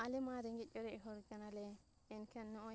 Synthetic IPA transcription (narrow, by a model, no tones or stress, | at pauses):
alɛmaɾɛŋɡɛt̪̚ˀɔɾɛʔɦɔɾkanalɛ | ɛnkʰanːɔʔɔ